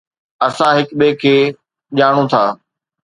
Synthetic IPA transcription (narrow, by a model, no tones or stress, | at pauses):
ɐsãɦɪkɓekʰeː | ʄaːɽ̃õt̪ʰaː